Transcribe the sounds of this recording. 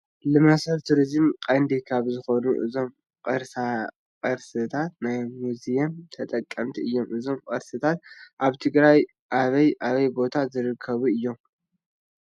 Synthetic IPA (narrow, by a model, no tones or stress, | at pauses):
lɨmɐsɐlt̪ʰuɾizɨmkʼɐnd̪ikʰaβzɨxonuʔɨzo̞m | qʼɐɾsa | qʼɐɾsɨt̪ʰat̪najmuzijɐnt̪ʰɐt̪ʼɐkʼːɐmt̪ʰiɨjːo̞mʔɨzo̞mqʼɐɾsɨt̪ʰat̪̚ʔaβt̪ʰɨɡɾaj | ʔaβɐjʔaβɐjbo̞t̪ʰazɨɾɨkʰːɐβuɨjːo̞m